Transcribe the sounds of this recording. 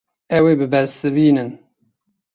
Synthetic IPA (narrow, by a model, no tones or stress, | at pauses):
ɛweːbɨbɛɾsɨviːnɨn